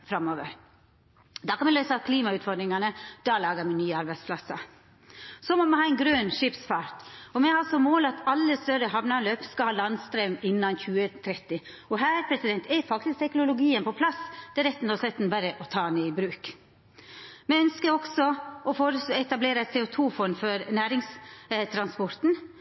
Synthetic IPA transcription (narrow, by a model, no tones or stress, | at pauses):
fɾɑmoːʋə̰ɾ | d̪ɑːkɑnmɛlœʏsəkʰliːmɑʉːt̪fɔɖ̪ɾɪŋɑnəd̪̥ɑːlɑːɡəmɛnyːəɑɾbæɪd̪spʰlɑsɑ | sɔmɔmɛɑːɛnɡɾøːnʂɪpsfɑːɾt̪ɔmɛhɑlsɔmoːlɑt̪ɑlːəst̪œɾəɦɑʋnɑløːpskɑhɑːlɑnst̪ɾemɪnːɑnçʉːət̪ʰɾɛt̪ːɪ | ɔɦæːɾpʰɾɛsɪd̪ɛnt̪ʰɛfɑkt̪ɪskt̪ʰɛknʊlʊɡiːənpʰɔpʰlɑsd̪̥ɛɾɛt̪ːn̩t̪ɔslɛt̪nbæɾəʔɔt̪ʰɑːnɛɪbɾʉːk | mɛœnskəɾɔksɔɔfoːɾəsɛt̪ɑbleːɾəæɪt̪seːʊt̪ʰuːfɔnfɔɾnæːɾɪŋst̪ʰɾɑnspɔɾt̪n̩